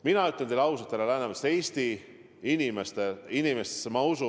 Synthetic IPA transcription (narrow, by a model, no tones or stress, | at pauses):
minɑyt̪ˑːet̪elɑws̬ɑt̪ːelelæhnɑʋɑseːst̪i | inimest̪einimest̪e̥sːmɑusu